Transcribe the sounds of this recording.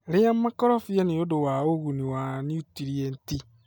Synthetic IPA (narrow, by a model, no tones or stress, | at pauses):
ɾɪjamakɔɾɔfiɛniodowaoɣuniwaniutiɾienti